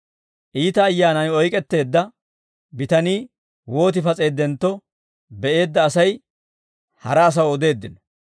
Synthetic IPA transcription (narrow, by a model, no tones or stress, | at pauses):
ʔiːt̪ɐːjːaːnɐjɔjkʼɛt̪ːe̞ːd̪ːɐ | bɪt̪ɐniː | wo̞ːt̪̬ɪfɐt͡sʼe̞ːd̪ːɛnt̪ːɔ | bɛʔe̞ːd̪ːɐːsɐj | hɐ̰ɾɐːs̬ɐwɔd̪e̞ːd̪ːɪn